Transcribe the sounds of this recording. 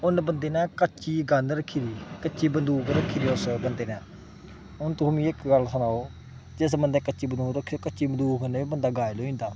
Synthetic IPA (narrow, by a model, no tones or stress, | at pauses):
ʊnbənd̪eːnɛ̃ːkət͡ʃiːɡənd̪ɾəkʰːiːɾiːkət͡ʃiːbənd̪uːkɾəkʰːiːɾiːʊsbənd̪eːnɛ̃ː | ʊnt̪ʊ̃mĩːɪkɡəlsənaːoː | d͡ʒɪsbənd̪ɛ̃ːkət͡ʃiːbənuːɾəkʰːiokət͡ʃiːbənd̪uːkəneːiːbənd̪aːɡaːeloːĩnd̪aː